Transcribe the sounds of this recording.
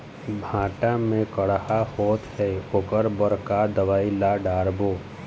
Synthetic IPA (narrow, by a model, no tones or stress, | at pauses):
bʱãːʈamẽkəɽhahoːt̪ɦɛoːkəɾbəɾkad̪əʋaːilaɖaːɾboː